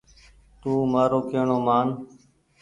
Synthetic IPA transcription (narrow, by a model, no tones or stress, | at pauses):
t̪uːmaːɾoːkeːɳoːmaːn